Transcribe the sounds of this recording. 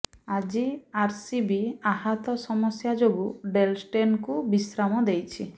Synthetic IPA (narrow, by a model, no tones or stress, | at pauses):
ad͡ʒiaɾsibiaɦat̪ɔsɔmɔsjad͡ʒobuɖelsʈenkubisɾamɔd̪ejt͡ʃʰi